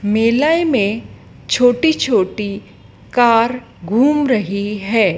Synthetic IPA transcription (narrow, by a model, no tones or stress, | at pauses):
meːlaːimẽ | t͡ʃʰoːʈit͡ʃʰoːʈi | kaːɾ | ɡʱuːmɾɐɦiɦɛː